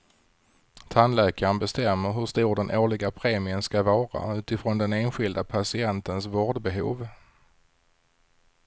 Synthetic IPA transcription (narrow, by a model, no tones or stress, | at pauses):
t̪ʰanlɛːkaənbɛst̪ɛmːəɾɦɵʂt̪uːɾɖɛnʔoːɭɪɡapʰɾeːmɪənskavɑːɾa̰ʉ̟ːt̪ɪfɾɔnd̪ɛneːnɧɪld̪apʰasɪɛnt̪ənsvoːɖbɛɦṵːv